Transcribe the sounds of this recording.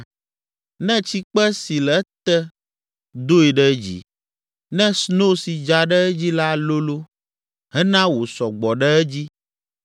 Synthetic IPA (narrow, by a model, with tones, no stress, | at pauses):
nɛ̃˦t͡ʃi˦k͡pɛ˦si˨lɛ˨˦t̪ɛ˦ | d̪o˦i˨ɖɛ˦d͡ʑḭ˦ | nɛ̃˦sno˦si˨d͡ʒa˨ɖɛ˦ɛ˦d͡ʑi˦la˦lo˦lo˦ | ɦɛ˦nã˦wo˨sɔ˨ɡ͡bɔ˨ɖɛ˦ɛ˦d͡ʑi˦